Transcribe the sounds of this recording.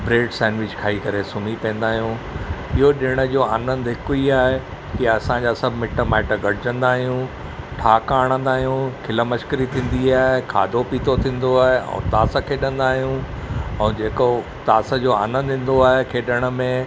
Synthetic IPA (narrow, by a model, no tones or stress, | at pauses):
bɾeːɖsɛ̃ːnʋɪt͡ɕkʰaːikɐɾesʊmipɛ̃nd̪aːɦijũɪɦoɗɪɽ̃ə̆d͡ʑoaːnə̃nd̪ɦɪkʊiaːɦe | kiɐsãd͡ʑaːsɐbʱɪmɪʈəmaːɪʈəɡɐɽɪd͡ʑə̃nd̪aːɦijũ | ʈʰaːkaːɽ̃ə̃nd̪aːɦijũkʰɪləmɐʃkəɾit̪ʰĩːn̆d̪iaːɦekʰa̰ːd̪ʱopiːt̪ʰot̪ʰĩːn̆d̪oaːɦeɛ̰̃ːt̪aːsə̆kʰeːɗə̃nd̪aːɦijũ | ɛ̃ːd͡ʑeːko | t̪aːsə̆d͡ʑoa̰ːnə̃nd̪ɪ̃n̆d̪oaːɦekʰeːɗəɽ̃ə̆mẽ